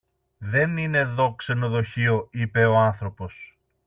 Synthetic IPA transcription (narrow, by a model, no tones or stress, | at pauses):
ðe̞nine̞ðo̞kse̞no̞ðo̞çio̞ipe̞o̞anθɾo̞po̞s